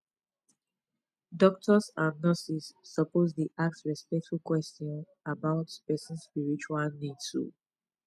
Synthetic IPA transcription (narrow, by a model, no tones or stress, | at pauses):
dɔk̚tʰɔsãnːəsisːəpozdiʔak̚sɹispɛk̚tfulkwɛstɔ̃n | abaʊtpɛsə̃nspiɹit͡ʃualnidṵ